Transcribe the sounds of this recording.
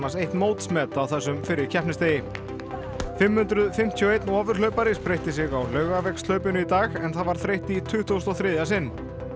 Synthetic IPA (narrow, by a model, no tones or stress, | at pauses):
nasejht̪nmoːwt̪smɛːt̪aawθɛsːʏmfɪɾɪɾ̥cʰɛhpnɪst̪eːjɪ | fɪmːhʏnt̪ɾʏðfɪm̥t̪ʰjioːejt̪nɔːvʏɾ̥lœɥpaɾɪspɾejht̪ɪs̬ɪɣawlœːɥɣavɛkst̪lœɥpʏnʏit̪aːɣɛnθaðvaɾ̥θɾejht̪it̪ʰʏht̪ust̪ɔθɾɪːðjasɪnː